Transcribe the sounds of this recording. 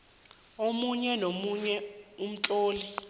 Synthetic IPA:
omuɲɛnomuɲɛum̩t͡ɬʼoːli

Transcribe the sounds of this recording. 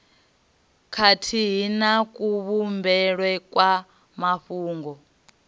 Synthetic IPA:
kʰatʰiɦinakʼuβumbɛɺwɛkʼwa | maɸuːŋɡɔ

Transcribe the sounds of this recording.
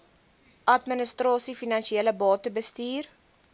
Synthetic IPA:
ʔɐtmənəstrɑːsifinɐnʃieːləbɑːtəbəstiːr

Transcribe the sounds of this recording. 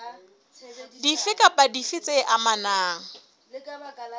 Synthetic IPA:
difɪkʼapʼadifɪt͡sʼeʔamanaːŋ̩

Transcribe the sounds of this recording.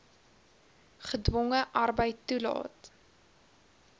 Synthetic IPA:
χədvɔŋəʔɐrbəjtːulɑ̰ːt

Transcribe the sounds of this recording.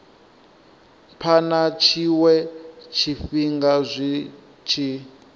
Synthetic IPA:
pʰanat͡ʃʰiwɛt͡ʃʰiɸiŋɡazʷi | t͡ʃʰi

